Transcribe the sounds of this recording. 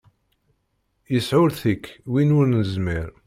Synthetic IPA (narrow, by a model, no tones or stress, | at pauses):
jəsʕʊɾθəkːwinʊɾnəzmiɾ